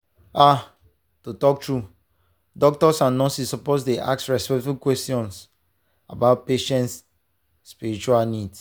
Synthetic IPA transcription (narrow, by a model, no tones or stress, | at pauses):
a | totɔk̚tɹu | dɔk̚tɔsãnːɔ̃sisɔposdeʔa̰ksɹɛspɛk̚tbukwɛstjɔ̃ns | abaʊt̚peʃɛ̃ntsː | piɹit͡ʃualnids